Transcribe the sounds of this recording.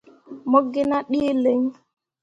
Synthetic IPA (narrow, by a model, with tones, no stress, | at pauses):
mo˦ɡːi˦na˦ɗiː˦le˨ŋ